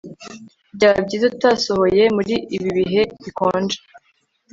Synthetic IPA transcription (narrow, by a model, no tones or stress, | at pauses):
bɟaːbɟiːzutasoho̞je̞muɾiːβiβiɦe̞βikoːnd͡ʒe